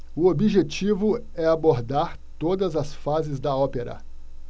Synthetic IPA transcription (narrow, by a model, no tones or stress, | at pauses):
ʊobiʒet͡ʃivʊ | ɛaboɾd̪aɾ | t̪od̪ɐzɐsfazɪzd̪ɐɔpeɾɐ̰